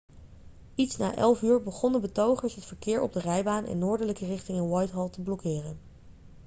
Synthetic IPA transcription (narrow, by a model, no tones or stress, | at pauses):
itsna̰ːʔɛlˠfyːɹbəχɔndəbətowχəɹsɦətfəɹkɪːɹɔ̰b̚dərɛjbaːnʔɛ̰nːʊːɹdələkərɪχtɪŋɪnwɑjtɦɑlˠtəblɔkɪːrən